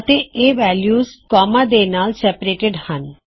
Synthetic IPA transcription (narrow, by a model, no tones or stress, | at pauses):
t̪eeʋɛljuzkɔmad̪enalsɛpaɾeʈeɖhan